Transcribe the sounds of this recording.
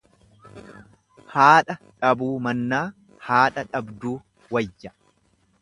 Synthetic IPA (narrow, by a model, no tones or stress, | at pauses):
haːᶑɐᶑɐbuːmɐnːaː | haːᶑɐᶑɐbd̪uː | wɐjːɐ